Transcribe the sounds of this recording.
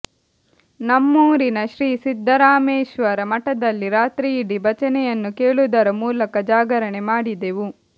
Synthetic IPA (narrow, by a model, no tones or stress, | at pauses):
nɐmːuːɾinɐʃɾiːsid̪ʱːɐɾaːmeːʃʋɐɾɐmɐʈɐd̪ɐlːiɾaːt̪ɾiːɽibɐt͡ʃɐnɛjɐnːukeːɭud̪ɐɾɐmuːlɐkɐd͡ʒaːɡɐɾɐɳemaːɽid̪eʋu